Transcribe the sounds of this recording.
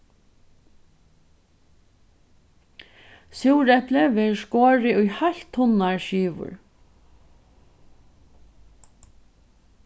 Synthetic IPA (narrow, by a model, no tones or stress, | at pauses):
suwɾɛpləʋɛːɹʂkoːɹɪʊjhaɬt̪ʰhʊnaɹʃiːʋʊ̰ɹ